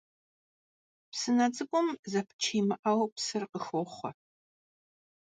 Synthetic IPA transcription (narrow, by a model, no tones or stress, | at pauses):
psɨnɐd͡zɨɡʷʼʊmzɐpʰɨ̥t͡ʃʰiːmɨʔɐwpsɨrqəxoːχʷɐ